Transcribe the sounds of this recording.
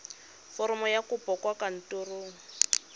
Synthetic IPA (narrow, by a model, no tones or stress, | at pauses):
fɔɾɔmɔjakupɔkwakan̩turuːŋ̩